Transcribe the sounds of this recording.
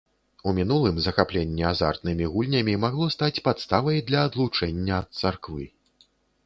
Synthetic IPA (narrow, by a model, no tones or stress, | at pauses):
umʲinulˠɨmzɐxaplʲɛnʲːɛaza̰rt̪nɨmʲiɣulʲnʲɐmʲimaɣlˠɔst̪at͡sʲpat̪st̪avɐjd̪lʲɐːd̪lˠut͡ʂɛnʲːɐːt̪̚sarkvɨ̰